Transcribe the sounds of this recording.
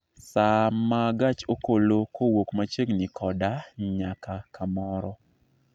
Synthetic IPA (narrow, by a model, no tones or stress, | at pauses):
samaɡat͡ʃokolokʰowokmat͡ʃeɡnɪkɔdaɲakakamɔɾɔ